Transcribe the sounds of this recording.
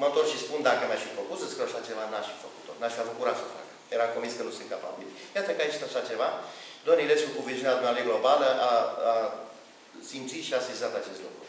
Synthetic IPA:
umət̪orʃispund̪akəmaʃfifokusəskɾeoaʃat͡ʃe̞vanaʃfifəku̥t̪onaʃfiabukuɾat̪səfa̰kə̥jeɾamkomvinskənusɨnt̪̚kapa̰bilʲjat̪əkəait͡ʃt̪aʃat͡ʃe̞vad̪oamnileskukuvizjunead̪umnalejɡlo̞baləʔaa | simt̪sit̪ʃiasizat̪at͡ʃe̞st̪lṵkɾṵ

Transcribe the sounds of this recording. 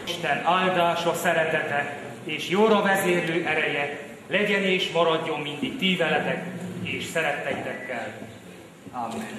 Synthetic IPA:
ʃt̪ɛnaːld̪aːʃɒsɛɾɛt̪ɛt̪ɛ | eːʃjoːɾɒvɛzeːrløːʔɛɾɛjɛ | lɛɟɛneːʃmɒɾɒɟːo̞mːind̪ik̚t̪iːvɛlɛt̪ɛkeːʃsɛɾɛt̪ːɛjit̪ɛkːɛl | aːmːɛn

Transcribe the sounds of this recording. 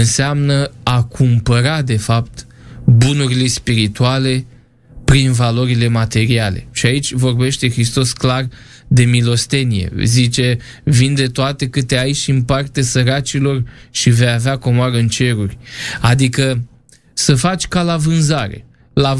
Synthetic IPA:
ɨnseamnəakʰumpəɾad̪e̞fapt̪ | bunuɾile̞spiɾit̪uale̞ | pɾinvalo̞ɾile̞mat̪e̞ɾiale̞̰ʃiait͡ʃʲvo̞rbe̞ʃt̪e̞xɾist̪o̞sklar | d̪e̞milo̞st̪e̞nijḛzit͡ʃe̞ | vind̪e̞t̪oat̪e̞kɨt̪eajʃimpart̪esəɾat͡ʃilo̞rʃive̞javeako̞moaɾəɨnt͡ʃe̞ɾurʲad̪ikə | səfat͡ʃʲkalavɨnzaɾe̞̰ | la

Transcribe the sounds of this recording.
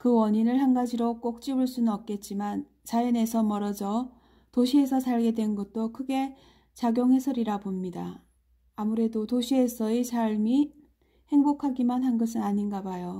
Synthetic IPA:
kɯwʌɲinɯɭhanɡad͡ʑiɾok͈ok̚t͡ɕ͈ibuɭs͈unɯnʌp̚k͈e̞t̚t͡ɕ͈iman | t͡ɕaine̞sʰʌmʌɾʌd͡ʑʌ | toɕʰie̞sʰʌsʰaɭɡe̞dwe̞nɡʌt̚t͈okʰɯɡe̞ | t͡ɕaɡjoŋɦe̞sʰʌɾiɾabomɲidaː | muɾe̞dotoɕʰie̞sʰʌisaɭmi | he̞ŋbokʰaɡimanhanɡʌsʰɯnaɲinɡabajo

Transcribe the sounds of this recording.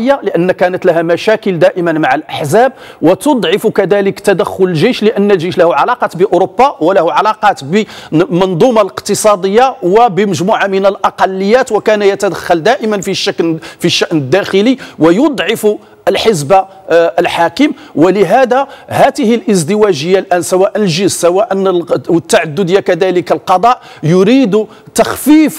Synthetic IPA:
jːaləʔənːkænət̪læɦæmæʃækəld̪æʔəmənmaʕalʔəħzæb̚ | wət̪od̪ˤʕɑfukæd̪æləkt̪æd̪əxːʊləlʒijʃləʔənːəlʒiʃlæhuʕɑlɑqɑt̪bəʔʊɾobːɑwəlæhuʕɑlɑqɑt̪bəmnd̪ˤumɑləqt̪əsˤɑd̪əjːawəbəməʒmuʕamənəlʔɑqɑlːəjːæt̪wəkænjət̪æd̪əxːɑld̪æʔəmənfiʃːəklfiʃːaʔnəd̪ːæxəliwəjod̪ˤʕɪfu | əlħəzba | əlħakəm | wələɦæd̪æhæt̪əhəlʔəzd̪əwæʒəjːalʔænsæwæʔənəlʒəzsæwæʔənwət̪ːaʕad̪ːʊd̪əjːakæd̪æləkəlqɑd̪ˤɑʔ | jʊɾid̪u | t̪ɑxfif

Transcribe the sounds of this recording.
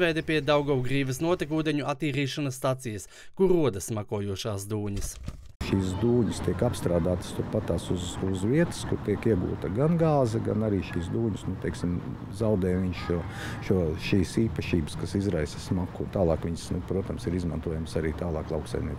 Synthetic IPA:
vɛjd̪epʲiɛd̪awɡɔwɡɾiːʋɐsnuɔt̪ikuːd̪eɲuʔat̪ːiːɾiːʃanɐsːt̪at̪sijɐs | kuɾuɔd̪ɐsmakuɔːjuɔʃaːsd̪uːɲɐs | ʃiːsd̪uːɲist̪iɛkapst̪ɾaːd̪aːt̪st̪uɾpat̪aːsuzuzʋiɛt̪ə̥skuɾt̪iɛkiɛɡṵːt̪ɐɡanɡaːzɐɡanaɾiːʃiːsd̪uːɲusnut̪ɛksim | zawd̪ɛːjʋiɲʃʃuɔ | ʃuɔʃiːsiːpɐʃiːbə̥skasizɾajsɐ̥smakut̪aːlˠɑːkʋiɲsnupɾuɔt̪ɐmsiɾizmant̪uɔjamsaɾiːt̪aːlˠɑːklˠɑwksa̰jmniɛk

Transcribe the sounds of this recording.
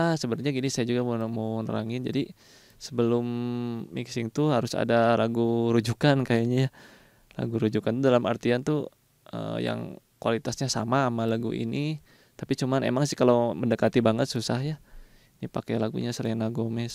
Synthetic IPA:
asəbənɲaɡinisajad͡ʒuɡamomonə̰ɾaŋɪnd͡ʒadi | səbəlʊmːḭksɪŋt̪uɦaɾʊsa̰dalaɡuɾud͡ʒukankajaɲaja | la̰ɡuɾud͡ʒukant̪udalama̰rt̪iant̪u | ə̰ja̰ŋkuwalit̪asɲasa̰maːmalaɡṵʔḭni | t̪apit͡ʃumanḛmaŋsɪhkaloməndəkat̪ibaŋət̪̚susahja | nipakɛlaɡṵɲasəlɛŋnaɡomɛs

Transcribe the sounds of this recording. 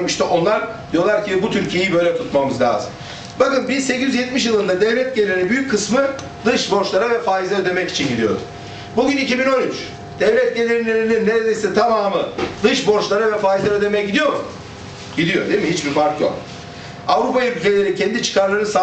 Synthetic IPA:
miʃt̪ʰɛʔo̞nlˠaɾ | d̪ijo̞lˠaɾcʰibut̪ʰyɾcʰije̞jibø̞jlʲɛt̪ʰut̪mamɯzlʲa̰ːzɯm | bakɯnbizse̞cizyzjɛt̪miʃ̬jɯlˠɯnd̪ad̪ɛvlʲɛt̪̚ɟelʲeɾibyjyc̚ʲʰːɯsmɯ | d̪ɯʃbo̞ɾʃlˠaɾavɛfaːjizaød̪e̞mɛci̥t͡ʃʰinɟid̪ijo̞̰ɾṵ | buɟynicibino̞nyt͡ʃ | d̪̥ɛvlʲɛt̪̚ɟe̞lʲeɾinlʲeɾininːeɾed̪ejst̪ʰamaːmɯd̪ɯʃbo̞ɾʃlˠaɾavɛfaːjizaød̪e̞mɛjɟid̪ijo̞ɾu | ɟid̪ijo̞d̪emiɦit͡ʃbifaɾkjo̰k | avɾupajylʲce̞lʲe̞ɾicʰɛnd̪it͡ʃʰɯ̥kʰaɾlˠaɾnɯsa

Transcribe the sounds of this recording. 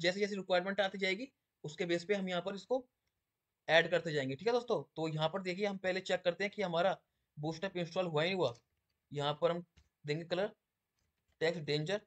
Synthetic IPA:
d͡ʒɛːs̬ed͡ʒɛːs̬iɾɪkwaːɪɾmẽɳʈaːt̪id͡ʒaːeːɡi | ʊskebeːspeɦɐmjɐɦãpɐɾɪsko | ɛːɖkɐɾt̪ed͡ʒaːẽːŋɡeʈʰiːkʰɦɛd̪oːst̪õːt̪ojɐɦãpɐɾd̪eːkʰieɦɐmpɛɦlet͡ʃɛkːɐɾt̪eɦɛ̃kiɦɐmaːɾa | buːsʈɛːpɪ̃nsʈɾoːlɦuaːinɦua | jɐɦãpɐɾɦɐm | d̪ẽːŋɡekɐləɾ | ʈɛːksɖẽːnd͡ʒəɾ

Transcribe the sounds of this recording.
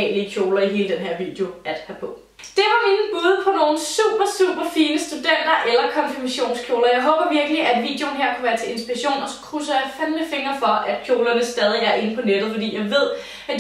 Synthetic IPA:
ɛ̰ːliəkʰjoːlɐiɦe̝ːləd̥enɦeɐ̰ʋḭːd̥eo̝æd̥hæpʰɒ̽ | d̥e̝ʋɑ̈me̝nn̩b̥uːð̞ˠpʰɒ̽no̝ːn̩sṵːb̥ɐsṵːb̥ɐfiːnəsd̥ud̥en̰d̥ɐʔelɐkʰɒ̽nfiɐmæɕo̝̰ːnskʰjo̝ːlɐjɑ̈ɪɦɔ̽ːb̥ɐʋiɐɡ̥əliʔæd̥ʋḭːd̥eo̝nɦeɐ̰kʰuʋæːɐt͡sʰe̝e̝nsb̥iʁɐɕo̝̰ːnɒ̽sɒ̥kʰʁusəɐfænləfe̝ŋɐfɒ̽ʔæd̥̚kʰjo̝ːlɐnəsd̥ɛːð̞ˠiæɐʔe̝npʰɒ̽ned̥ð̩ˠfɒ̽d̥ḭːjɑ̈ɪʋe̝ð̞̰ˠ | æd̥

